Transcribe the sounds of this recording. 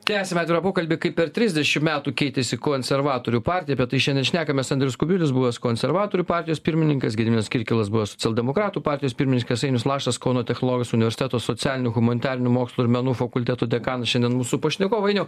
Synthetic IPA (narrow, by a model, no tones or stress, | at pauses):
t̪ʲæːsʲɛmʲɛɑːt̪ʲɪɾɐpoːkɐlʲbʲikɐɪpʲɛɾt̪ʲɾʲɪzʲd̪ʲɛʃʲɪmmʲæːt̪uːkʲɛɪt̪ʲesʲɪkoːnʲsʲɛɾʋɑːt̪oːɾʲuːpɑːɾʲtʲɪjɛbʲɛt̪t̪ːɐɪʃʲɛnd̪ʲɛnʃʲnʲæːkɐmʲɛsɐnd̪ʲɾʲɛjʊskʊbʲuːlʲɪsbuʋɐskoːnʲsʲɛɾʋɑːt̪oːɾʲuːpɑːɾʲtʲɪjoːspʲɪɾʲmʲɪnʲɪŋkɐsɡʲɪd̪ʲmʲɪnʲɛskʲɪɾʲkʲɪlˠɐsbuʋɐsoːt͡sʲɛlʲˠd̪ʲɛmoːkɾɑːt̪uːpɑːɾʲt̪ʲɪjoːspʲɪɾmʲɪnʲɪŋkɐsɐɪnʲʊslˠɑːʃt̪ɐskoːnoːt̪ʲɛxnoːlˠɔːɡɐsʊnʲɪʋʲɛɾʲsʲɪt̪ʲæt̪oːsot͡ssʲæːlʲɪnʲuɣʊmɐnʲɪt̪ʲɑːɾʲɪnʲumoːkslˠuːɪɾmʲɛnuːfɐkʊlʲt̪ʲæt̪uːd̪ʲɛkɑːnɐʃʲɛnd̪ʲɛnmuːsupoːʃʲnʲɛɡoːʋɐɪnʲɛʊ